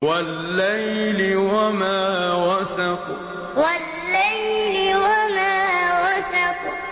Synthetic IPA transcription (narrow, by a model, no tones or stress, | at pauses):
walːajlɪwamaːwasaku | walːajlɪwamaːwasaku